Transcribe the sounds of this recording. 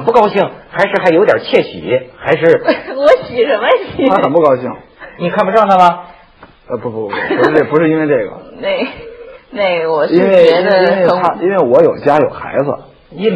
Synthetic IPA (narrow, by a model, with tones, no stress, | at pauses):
ə˨npu˥˩kɑ˥ʊɕi˥˩ŋxa˧˥ɪʂɻ̩˥˧xʰa˥jo˧˥t̪jɐ̰˨˩t͡ɕʰjɛ˥˩ɕḭ˨˩xa˧˥ɪʂɻ̩˥˩wɔ˧˥ɕi˨˩ʂə˧˥nmə˧ɕi˨˩t̪ʰa˥xə˨˩npu˥˩kɑ˥ʊɕi˥˩ŋni˨˩kʰa˥˩npu˧ʈ͡ʂɻɑ˥˩ŋt̪ʰa˥mɐ˧ | ə˧˩pu˧˩u˧˩u˧˥˧pu˧˥ʂɻ̩˥˧i˥nwe˥˧ɪʈ͡ʂɤ˥˩ɡə̰˩ne˥˩ɪne˥˩ɪwɔ˨˩i˥nwe˥˧˩ɪɛ˧˥d̪ə˧˥ne˥˧ɪ˧˥t̪ʰa˥ʔi˥nwe˥˩ɪwɔ˧˥jo˨˩ʊt͡ɕja˥jo˨˩ʊxa̰˧˥ɪd͡zə̰˧ | i˥